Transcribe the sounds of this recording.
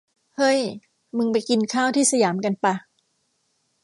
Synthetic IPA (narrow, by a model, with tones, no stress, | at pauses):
hɤ˥˩j | mɯ˧ŋpa˧jki˧nkʰaː˥˩wt̪ʰiː˥˩sa˧jaː˩˦mka˧npa˧